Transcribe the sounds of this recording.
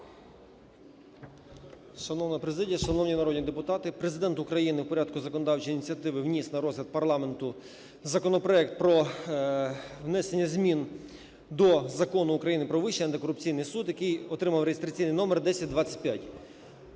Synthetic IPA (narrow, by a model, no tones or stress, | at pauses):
ʃɐnɔwnɐpɾezɪdʲijɐʃɐnɔwnʲinɐɾɔdʲnʲid̪epʊt̪ɑt̪ɪpɾezɪd̪ɛnt̪ʊkɾɐjinɪwpɔɾʲad̪̚kʊzɐkɔnɔd̪ɑwt͡ʃiinʲit͡sʲɐt̪ɪʋɪwnʲisnɐɾɔzʲlʲɐd̪̚pɐrlˠɑme̞nt̪ʊ | zɐkɔnɔpɾɔɛkt̪̚pɾɔ | wnɛsenʲːɐzʲmʲin | d̪ɔzɐkɔnʊːkɾɐjinɪpɾɔʋɪʃt͡ʃːiɐnt̪ɪkɔɾʊp̚t͡sʲijnɪjsud̪jɐkɪjɔt̪ɾɪmɐwɾejest̪ɾɐt͡sʲijnɪjnɔmerd̪ɛsʲɐt̚ʲd̪ʋɑt͡sʲːɐ̥t̚ʲpʲjatʲ